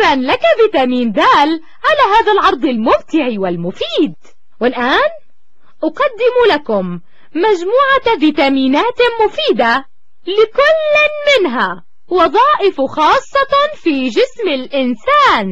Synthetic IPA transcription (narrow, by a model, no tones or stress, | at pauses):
ɾanlakaviːt̪aːmiːnd̪aːl | ʕalaːɦaːðalʕɑɾˤd̪ˤɪlmʊmt̪ɪʕiwɪlmʊfiːd̪̚ | wɪlʔaːn | ʔʊqɑd̪ːɪmulakʊmː | ad͡ʒmuːʕaviːt̪aːmiːnaːt̪mʊfiːd̪a | lɪkʊlːmɪnɦa | wɑðˤɑːʔɪfxɑːsˤːɑt̪fiːd͡ʒɪsmɪlʔɪnsaːn